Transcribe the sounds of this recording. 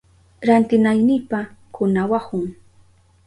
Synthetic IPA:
ɾant̪ɪnajnɪjpakʊnawahʊŋ

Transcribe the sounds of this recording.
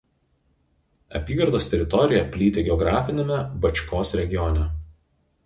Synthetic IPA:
ɐ̰pʲiːɡɐɾd̪oːst̪ʲɛɾʲɪt̪ɔɾʲɪjɛpʲlʲiːt̪ʲeːɡʲɛɔɡɾɑːfʲɪnʲɛmʲɛbɐt͡ʃʲkoːsɾʲɛɡʲɪjɔnʲɛ

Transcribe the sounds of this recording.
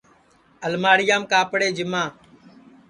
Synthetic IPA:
əlmaːɽɪjaːmkaːpɽeːd͡ʒɪmãː

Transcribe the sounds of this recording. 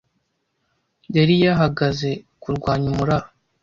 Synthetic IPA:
jaɾijaɦaɡaze̞ | kuɾɡwaːɲumuɾa

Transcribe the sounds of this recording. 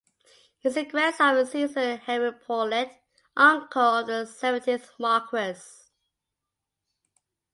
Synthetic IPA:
hɪsɪɡɹɛsəɹɪsivzəhɛɹipʰɔlɛt | ʔãŋkʰəlˠðəsɛvə̃ntʰiθmɑˑkʰɹəs

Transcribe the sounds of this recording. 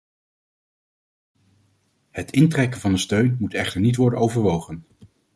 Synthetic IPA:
hətɪntrɛkənvɑndəstøɥnmutɛχtəɹnitʋɔɹdənowvəɹʋowχən

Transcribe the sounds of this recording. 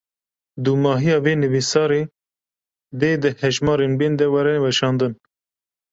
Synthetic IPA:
d̪umɑːɦijɑːveːnɨvisɑːɾeː | d̪eːd̪ɨhɛʒmɑːɾeːnbeːnd̪ɛwɛɾɛwɛʃɑːnd̪ɨn

